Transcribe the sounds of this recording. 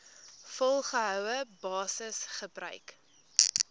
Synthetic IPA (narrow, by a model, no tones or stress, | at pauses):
fɔlˠχəɦœwəbɑːsəsχəbrœ̰ɥk